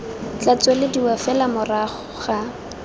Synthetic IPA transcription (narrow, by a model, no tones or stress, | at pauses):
t͡ɬat͡swelɪdiwafɛlamʊraχɔ̥χa